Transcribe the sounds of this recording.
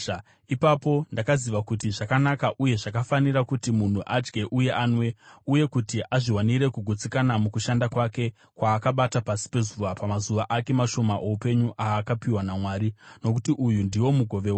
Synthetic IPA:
ipapo̞ndakaziʋakutiʐakanakaʔuje̞ʐakafaniɾakutimun̤uʔad͡ʒɡe̞ʔuje̞ʔaːnwe̞uje̞kutiʔaʐiwaniɾe̞kuɡʱut͡sikanamukuʃandakwake̞ | kwaːkaɓatapasi̥pe̞zuʋapamazuʋaʔake̞maʃo̞maʔo̞upe̞ɲuʔaːkapiwanamwaːɾino̞kutiʔujundiwo̞muɡʱo̞ʋe̞wa

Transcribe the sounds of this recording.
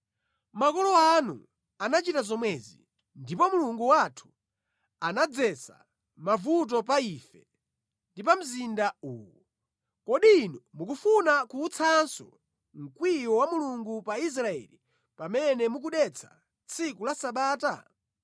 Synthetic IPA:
makɔlɔanṵ | anat͡ʃitazɔmwɛzḭ | ndipɔmuluŋɡuwatʰu̥ | anad͡zɛsa̰ | mavut̬ɔp̬aiːfɛ | ndip̬am̩zindauːwɔ | kɔɗiːnɔmuk̬ufunakuːt͡sʰansɔ̰ | ŋ̩kwiwɔwamuluŋɡupais̬ɾaɛ̰li | pamɛnɛmuk̬uɗɛt͡sʰḁ | t͡sʰikulasaɓaːta̰

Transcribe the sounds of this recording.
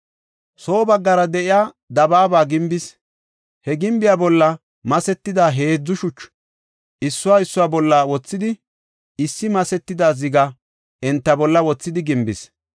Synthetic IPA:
so̞ːbɐɡːɐɾɐd̪ɛʔɪjaː | d̪ɐbaːbaːɡɪmbɪs | hɛɡɪmbɪjaːbɔlːɐ | mɐsɛt̪ːɪd̪aːɦe̞ːd͡zːʊʃʊt͡ʃː | ʔɪsːʊwaːɪsːʊwaːbɔlːawɔt͡sːɪd̪ɪ | ɪsːɪmɐsɛt̪ːɪd̪aːzɪɡɐ | ɛnt̪ːɐbɔlːɐwɔt͡sːɪd̪ɪɡɪmbɪs

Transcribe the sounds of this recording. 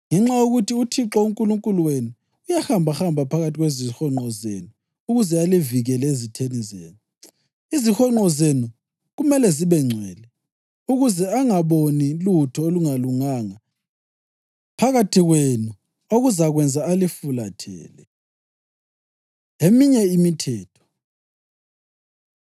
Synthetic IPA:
ŋɛŋ͡ǁajuɣutʰiutʰiǁɔuŋkʼuluŋkʼuluwenu | ujaxambʱaxambʱapʰaɣatʰiɣwezixɔŋ͡ǃɔzḛnuː | ɣuzɛaliviɣɛlɛezitʰenizḛːnu | izixɔŋ͡ǃɔzenu | ɣumɛlɛziβɛŋ͡ǀʱwɛ̰ːlɛ | uɣuzɛaŋaβonilutʰɔoluŋaluŋaŋa | pʰaɣatʰiɣwenu | oɣuzaɣwɛnd͡zʱaalifula̰tʰɛ̰ːlɛ | emiɲɛimitʰɛːtʰɔ̥

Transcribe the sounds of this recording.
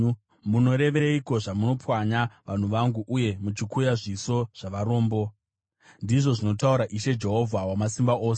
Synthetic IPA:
muno̞ɾe̞ʋeiko̞ʐamuno̞pwaɲaʋan̤uʋaŋɡuʔuje̞mut͡ʃikujaʐiso̞ʐ̥aʋaɾo̞ːmbo̞ | ndiʐo̞ʐino̞tauɾaʔiʃe̞d͡ʒe̞ɦo̞vʱawamasimbaʔoːse

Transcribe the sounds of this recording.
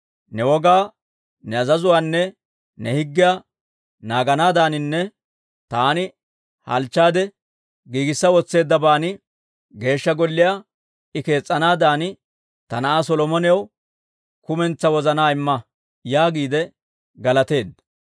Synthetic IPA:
nɛwɔɡaː | nɛɐzɐzʊwaːnːɛ | nɛhɪɡːɪjaː | naːɡɐnaːd̪aːnɪnːɛ | t̪aːnɪ | hɐ̰lt͡ʃːaːd̪ɛ | ɡiːɡɪsːɐwɔt͡sːe̞ːd̪ːɐbaːnɪ | ɡe̞ːʃːɐɡɔlːɪjaː | ɪke̞ːt͡sʼːɐnaːd̪aːnɪ | t̪ɐnɐʔaːsɔlɔmɔnɛjɐw | kʊmɛnt͡sːɐwɔzɐnaːɪmːɐ | jaːɡiːd̪ɛ | ɡɐlɐt̪e̞ːd̪ːɐ

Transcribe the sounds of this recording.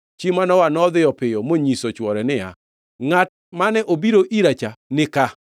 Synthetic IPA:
t͡ʃimanɔwanɔðɪjɔpɪjɔmoɲisot͡ʃwɔɾɛnɪa̰ | ŋat̚manɛʔobiɾoʔiɾat͡ʃanɪka

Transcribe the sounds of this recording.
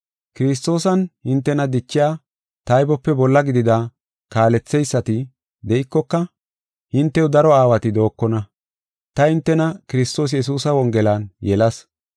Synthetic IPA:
kɪɾɪs̬t̪o̞ːsɐnhɪnt̪ːɛnɐd̪ɪt͡ʃːɪjaː | t̪ɐjbɔpːɛbɔlːɐɡɪd̪ɪd̪a | kaːlɛt͡sːɛjsːɐt̪ɪ | d̪ɛʔɪkːɔkːɐ | hɪnt̪ːɛwʊd̪ɐɾɔaːwɐt̪ɪd̪o̞ːkːɔnɐ | t̪ɐhɪnt̪ːɛnɐkɪɾɪst̪o̞ːs̬jɛs̬uːsɐwɔŋɡɛlanjɛlɐs

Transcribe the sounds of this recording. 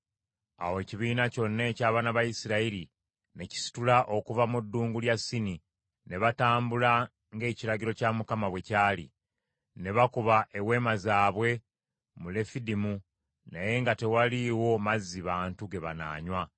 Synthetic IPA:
a̰woe̞ciβiːnaco̞nːe̞ːcaːβanaβajisiɾaiɾi | ne̞ci̥si̥tulaʔo̞kuvamudːuːŋɡuljasːini | ne̞βataːmbula | ŋɡe̞ːciɾaɟiɾo̞camukamaβwe̞caːlḭ | ne̞βakuβaʔe̞we̞ːmazaːβwe̞ | mule̞fidimu | naje̞ŋɡate̞waliwo̞mazːiβaːntuɡe̞βa̰na̰ːɲwa

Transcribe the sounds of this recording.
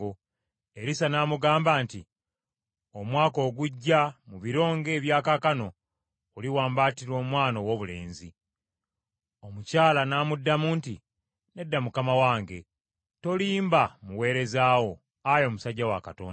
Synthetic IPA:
o | eɾisanamuɡaːmbaːnti | omwaːko̞ːɡuɟːamuβiɾo̞ːŋɡe̞ːβjaːkakano̞ː | liwaːmbaːtiɾo̞ːmwaːnowo̞ːβule̞̰ːnzi | o̞mucaːlanaːmudːamuːnti | ne̞dːamukamawaːŋɡe̞ | to̞liːmbamuwe̞ːɾe̞zaːwo̞ | ajo̞ːmusaɟːawakato̰ːn

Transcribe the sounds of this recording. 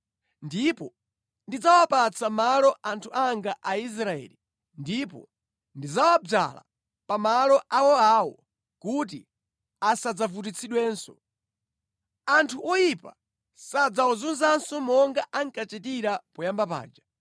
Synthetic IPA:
ndipɔ | ndid͡zawapat͡sʰamalɔʔantʰuaŋɡaʔais̬ɾaɛ̰ːli | ndipɔ̰ | ndid͡zawab͡ʐa̰la̰ | pamalɔʔawɔawɔ | kut̬ḭ | asad͡zavut̬it͡sʰiɗwɛːnsɔ | antʰuʔɔjipa̰ | sad͡zaɔzunzansɔmɔŋɡaʔaŋkat͡ʃɛtiɾapɔjambapa̰ːd͡ʒa

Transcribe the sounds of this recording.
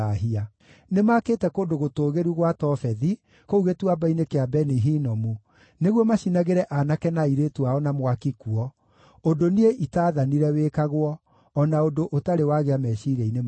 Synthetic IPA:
aɦia | nemaketɛkondoɣotoːɣeɾuɣwatɔfɛði | kouɣetuabainekeabɛniɦinɔmu | neɣwɔmaɕinaɣeɾɛʔanakɛnaiɾetuaɔnamwakikuɔ | ondonieʔitaːðaniɾɛweːkaɣwɔː | naodoʔotaɾewaɣeamɛʃiɾɛinem

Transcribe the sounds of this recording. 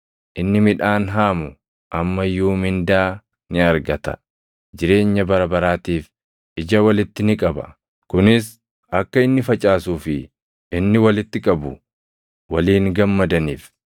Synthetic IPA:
ʔɪnːɪmɪᶑaːnɦaːmʊ | ʔɐmːɐjuːmɪnd̪aː | nɪɐɾɡɐt̪ɐ̥̰ | d͡ʒɪɾe̞ːɲːɐbɐɾɐbɐɾaːt̪iːf | ʔɪd͡ʒɐwɐlɪt̪ːɪnɪkʼɐbɐ̰ | kʊnɪs | ɐkːɐɪnːɪfɐt͡ʃʼaːsuːfɪ | ɪnːɪwɐlɪt̪ːɪkʼɐbʊ̰ | wɐliːŋɡɐmːɐd̪ɐniːf

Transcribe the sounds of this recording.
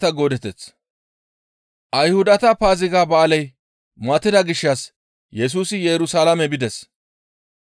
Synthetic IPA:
t̪ɐɡoːd̪ɛt̪ːɛt͡s | ʔɐjhʊd̪ɐt̪ɐpaːzɪɡaːbaːlɐj | mɐt̪ːɪd̪ɐɡɪʃːɐs | jɛs̬uːsɪjɛɾʊsalɐmɛbɪd̪ɛs

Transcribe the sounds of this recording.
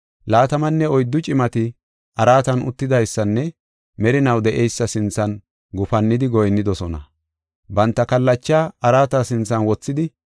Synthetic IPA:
laːt̪ɐmɐnːɛɔjd̪ːʊt͡ʃʼɪmɐt̪ɪ | ʔɐɾaːt̪ɐnʊ̰t̪ːɪd̪ɐjsːɐnːɛ | mɛɾɪnɐwd̪ɛʔɛjsːɐsɪnt͡sːɐn | ɡʊfɐnːɪd̪ɪɡɔjnːɪd̪ɔsɔnɐ̰ | bɐnt̪ːɐkɐlːɐt͡ʃːaːɐɾaːt̪ɐsɪnt͡sːɐnwɔt͡sːɪd̪ɪ

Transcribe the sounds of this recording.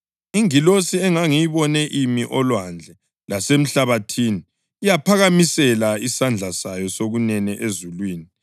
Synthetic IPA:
iŋilosiɛŋaŋijiβɔnɛʔimiʔɔlwand͡ɮʱɛ | lasem̩ɬaβatʰiːniː | japʰaɣamisɛlaisand͡ɮʱasajɔsoɣunɛnɛʔezulwiːni

